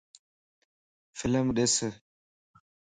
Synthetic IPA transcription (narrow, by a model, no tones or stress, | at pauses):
fɪləmɗesə